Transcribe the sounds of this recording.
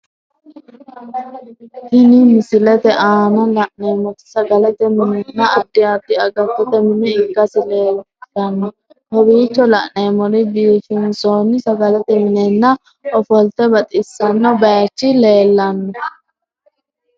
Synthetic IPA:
t̪ɪnɪmɪsɪlɛt̪ɛʔaːnɐlɐʔne̞ːmɔt̪ɪ̥sɐɡɐlɛt̪ɛmɪnɛnːɐʔɐd̪ːɪɐd̪ːɪɐɡɐtːɔt̪ɛmɪnɛɪɡːɐsɪleː | ɐnːɔ | hɔbiːt͡ʃːɔlɐʔneːmɔɾɪbiːʃɪnsoːnɪsɐɡɐlɛt̪ɛmɪnɛnːɐ | ʔɔfɔlt̪ɛbɐt̪ʼɪsːɐnːɔbɐjɐt͡ʃːɪle̞ːlːɐnːɔ

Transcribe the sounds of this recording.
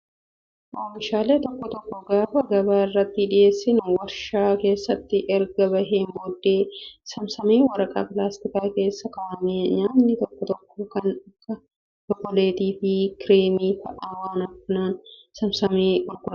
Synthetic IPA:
ʔoːmɪʃaːleːt̪ɔkːɔt̪ɔkːɔɡaːfɐɡɐbaːɪrːɐt̪ːɪᶑɪʔe̞ːsːɪnwɐɾʃaːke̞ːsːɐt̪ːɪʔɛɾɡɐbɐɦeːmboːd̪ːe̞ːsɐmsɐmeːwɐɾɐkʼa̰ːpɪlaːst̪ɪkaːke̞ːsːɐkɐʔɐmeːɲaːnːɪt̪ɔkːɔt̪ɔkːɔkɐnɐkːɐ | d̪ɔkɔleːt̪iːfɪkɪɾeːmiːfɐʔaːwaːnɐfʊnaːnsɐmsɐmeːʔʊɾɡʼʊɾɐ

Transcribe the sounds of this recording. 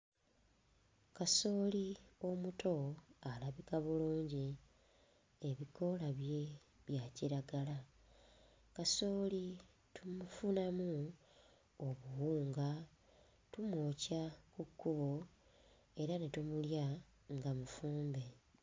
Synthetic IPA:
kaso̞ːlio̞muto̞alaβikaβuluːɲɟi | eβiko̞laβje̞ | βjaciɾaɡala | kaso̞ːli | tumufunamu | oβuwuːŋɡa | tumwocakukːuβo̞ | e̞ɾane̞tumulja | ŋɡamufuːmbe̞

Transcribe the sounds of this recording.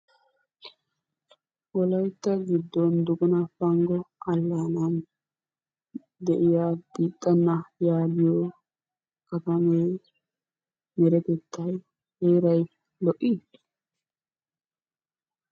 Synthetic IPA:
ʔɔlɐjt̪ːɐɡɪd̪ːɔnd̪ʊɡʊnɐfɐŋɡɔɐlːanɐn | d̪ɛʔɪjabiːt̪ʼːɐnːɐjaːd̪ɪjɔ | kɐt̪ɐme | mɛɾɛt̪ɛt̪ʰːɐj | heːɾɐj | lɔʔːɪ

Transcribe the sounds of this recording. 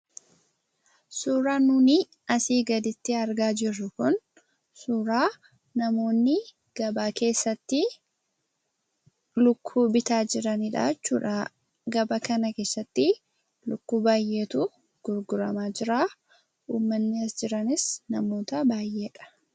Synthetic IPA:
suːɾaːnʊnɪ | ɐsiːɡɐd̪ɪt̪ːɪɐɾɡaːd͡ʒɪrːʊkʊn | suːɾaː | nɐmo̞ːnːɪ | ɡ̥ɐbaːke̞ːsːɐt̪ːɪ | lʊkʰːuːbɪt̪aːd͡ʒɪɾɐnɪᶑa̰ːt͡ʃːuːᶑa | ɡɐbɐkɐnɐke̞ːsːɐt̪ːɪ | lʊkːuːbaːje̞ːt̪u | ɡ̥ʊɾɡʊɾɐmaːd͡ʒɪɾaː | uːmːɐnːɪɐsd͡ʒɪɾɐnɪsnɐmo̞ːt̪ɐbaːjʔe̞ːᶑɐ̥

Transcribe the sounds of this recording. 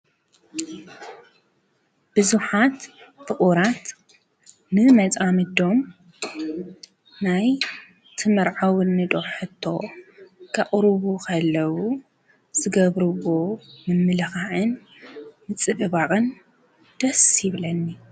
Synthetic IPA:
b̥ɨzuħat̪fɨχʼuɾat̪ | nɨmɐt͡sʼamɨd̪o̞m | naj | t̪ʰɨmɐɾʕawɨnːɨd̪ʼoħɨt̪ʰːo̞̰ | kʰɐχʼɾβukʰɐlːɐwu | z̥ɨɡɐβɾɨβomɨmːɨlɨxaʕɨnː | ɨt͡sʼɨβɨβakʼɨn | d̪̥ɐsjɪβlɐnːi

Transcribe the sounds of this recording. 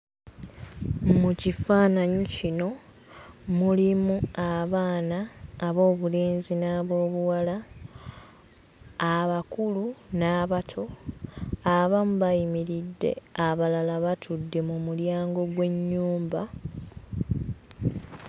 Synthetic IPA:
mucifaːnaɲocino̞ | mulimuaβaːnaːβo̞ːβuleːnzinaβo̞ːβuwala | βakulunaːβatʰo̞ | aβamuβajimiɾidːe̞̰aβalalaβatʰudːe̞mumuljaːŋɡo̞ɡwe̞ɲːuːmba

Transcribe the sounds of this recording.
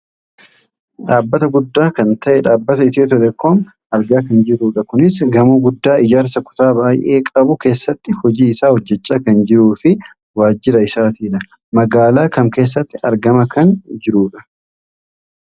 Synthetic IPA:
ᶑaːbːɐt̪ɐɡʊd̪ːaːkɐnt̪ɐʔɛᶑaːbːɐt̪ɐɪt̪joːt̪̬ɔlɛkːoːm | ɐɾɡaːkɐnd͡ʒɪɾuːᶑɐkʊnɪsɡɐmuːɡʊd̪ːaːʔɪd͡ʒaːɾsɐkʊ̥t̪aːbaːjʔe̞ːkʼɐbʊke̞ːsːɐt̪ːɪhɔd͡ʒiːɪsaːhɔd͡ʒːɛt͡ʃʼːaːkɐnd͡ʒɪɾuːfɪ | waːd͡ʒːɪɾɐɪsaːt̪iːᶑɐ | mɐɡaːlaːkɐmke̞ːs̬ːɐt̪ːɪ̥ɐɾɡɐmɐkɐnd͡ʒɪɾuːᶑɐ

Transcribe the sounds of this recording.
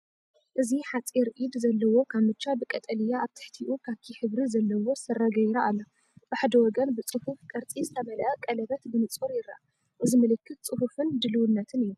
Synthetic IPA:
ʔɨziħat͡sʼiɾʔid̪zɐlːɐwo̞kʰaβmɨt͡ʃːabɨkʼɐt̪ʼɐlijaːβt̪ʰɨ̥ħt̪ʰiʔukʰaβkʰiħɨβɾizɐlːɐwo̞sɨrɐɡɐjɾaʔalːɐ | b̥ɨħad̪ɐwɔɡɐnbɨt͡sʼɨhufkʼɐɾt͡sʼizɨt̪ʰɐβɐlʔɐkʼɐlɐβɐt̪bɨmɨt͡sʼuɾjɪrːa̰ | ʔɨzimɨlɨkʰːɨt̪̚t͡sʼɨhufɨnd̪ɨlɨwɨnːɐt̪ʰɨnijːu

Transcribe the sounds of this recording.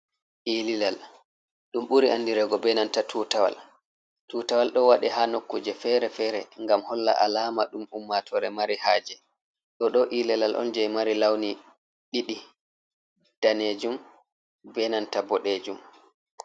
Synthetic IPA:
ʔiːlilal | ɗumɓuɾiʔanːdiɾɛɡɔbɛnantatʰutawa̰l | tuːtawalɗɔwaɗɛɦanokːud͡ʒɛfɛɾɛfɛɾɛ̰ŋɡamhɔlːa̰ʔa̰laːmaɗumumːatʰɔɾɛmaɾihaːd͡ʒɛ | ɗɔɗɔʔililalʔɔ̰nd͡ʒɛjmaɾilawni | ɗiɗi | d̥aneːd͡ʒum | bɛnantabɔɗeːd͡ʒum

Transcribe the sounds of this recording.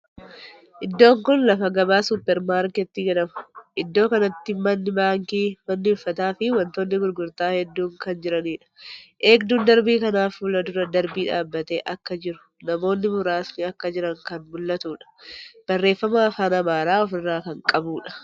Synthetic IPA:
ʔɪd̪ːo̞ːŋkʊnlɐfɐɡɐbaːsʊpːɛɾmaːɾkɪt̪ːɪd͡ʒɐᶑɐmʊ̥ʔɪd̪ːo̞ːkɐnɐt̪ːɪmɐnːɪbaːŋkiːmɐnːɪʊfːɐt̪aːfɪwɐnt̪oːnːɪɡʊɾɡʊɾt̪aːhɛd̪ːuːŋkɐnd͡ʒɪɾɐniːᶑɐ̥ʔeːkd̪uːnd̪ɐɾbiːkɐnaːfuːlɐd̪ʊɾɐd̪ɐɾbiːᶑaːbːɐt̪ḛːʔɐkːɐd͡ʒɪɾʊ̥ | nɐmo̞ːnːɪmʊɾaːsnɪɐkːɐd͡ʒɪɾɐŋkɐnmʊlːɐt̪uːᶑɐ̥b̥ɐrːe̞ːfːɐmaːfaːnɐmaːɾaːɔfɪrːaːkɐŋkʼɐbuːᶑɐ̥

